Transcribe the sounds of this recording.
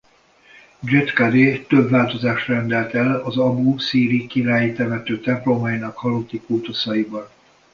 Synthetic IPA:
d͡ʒet̪kad̪eːt̪ø̞bvaːlt̪o̞zaːʃrɛnd̪ɛlt̪ɛlɒzɒbusiːɾikiɾaːjit̪ɛvɛt̪øːt̪ɛmplomɒjinɒkhɒlot̪ːikuːt̪osɒjibɒn

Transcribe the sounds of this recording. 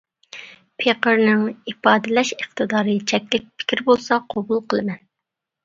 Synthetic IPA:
pʰeqəɾnɪŋipɑːd̪ɨlɛʃəχt̪ɨd̪ɑːɾɨt͡ʃʰɛkʲlɪk̚ʲpʰɪ̥kʲʰiɾbolˠsɑqʰobulˠqʰəlˠɨmɛn

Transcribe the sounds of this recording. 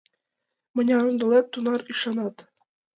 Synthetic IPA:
mɤ̆nʲɑɾund̪ɤ̆lˠet̪ːunɑɾiʃɑnɑt̪

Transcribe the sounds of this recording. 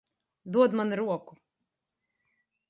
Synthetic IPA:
d̪uɔd̪manɾuɔku

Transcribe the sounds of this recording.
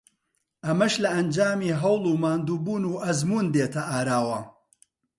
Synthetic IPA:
ʔɐmɐʃlɐɐnd͡ʒaːmiːɦɐwlˠuːmaːnd̪uːbuːnuːʔɐzmuːnd̪eːt̪ʰɐʔaːɾaːwɐ

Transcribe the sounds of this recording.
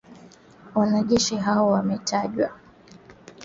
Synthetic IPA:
wanaʄɛʃiɦaɔwamɛtaʄwa

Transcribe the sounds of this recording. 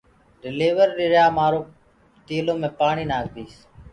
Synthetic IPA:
ɾɪleːʋəɾːɪɾjaːmaːɾõː | t̪iːlõːmẽːpaːɳiːnaːɡd̪iːs

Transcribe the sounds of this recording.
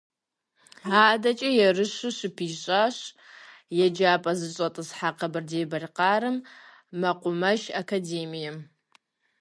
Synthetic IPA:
aːdɐt͡ʃʼɐjɛrɨɕɨʃɨpʰiːɕʼaɕ | jɛd͡ʒaːpʼɐzɨɕʼɐtʼɨsħaqɐbɨrdeːbɐrqɑːɾɨmː | ɐqʷʊmɐʒɐkʰadeːmijɛ

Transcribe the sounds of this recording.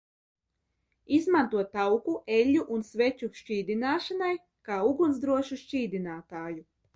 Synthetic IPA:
izmant̪uɔtt̪ːawkuʔeʎʲːuʔunsvet͡ʃuʃt͡ʃiːd̪inaːʃanaj | kaːuɡunzd̪ɾuɔʃuʃt͡ʃiːd̪inaːt̪aːju

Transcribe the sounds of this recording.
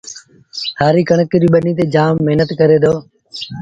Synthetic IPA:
sʰaːɾiːkəɳəkɾiːɓənĩːt̪̬eːd͡ʒaːmːɪɦnət̪kəɾeːd̪oː

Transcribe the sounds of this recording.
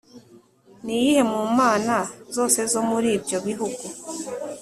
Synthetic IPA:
nijihe̞mumaːnazo̞ːse̞zo̞muɾiːbjo̞βiɦuɡu

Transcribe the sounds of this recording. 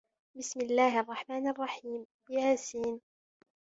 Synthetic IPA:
bɪsmɪlːaːɦʔɑrˤːɑħmaːnʔɑrˤːɑħiːm | bɪjaːsiːn

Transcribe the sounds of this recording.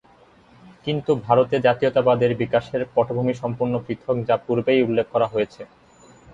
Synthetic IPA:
kint̪ubʱaɾot̪ed͡ʑat̪iot̪abad̪eɾbikaʃeɾpɔʈʰobʱumiʃɔmpuɾnopɾit̪ʰok̚d͡ʑapuɾbejulːek̚ʰːɔɾaɦojet͡ɕʰe

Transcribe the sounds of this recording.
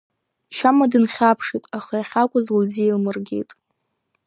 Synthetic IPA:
ʃamadɨnχʲapʰʂitʼaχajaχʲakʷʼʊzlziilmɨrɡʲḛjtʼ

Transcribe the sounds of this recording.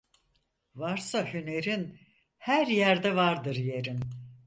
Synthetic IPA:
vaɾsahyne̞ɾin | hæɾjæɾd̪ɛvaɾd̪ɯɾje̞ɾin

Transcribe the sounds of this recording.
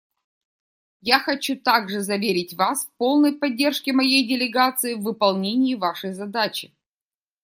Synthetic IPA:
jaxɐt͡ɕut̪aɡʐɨzɐvʲeɾʲɪtʲvasfpo̞lˠnəjpɐdʲːe̞rʂkʲɪmɐjejdʲɪlʲɪɡat̪sɨɪvːɨpɐlˠnʲenʲɪjɪvaʂəjzɐd̪at͡ɕɪ̥

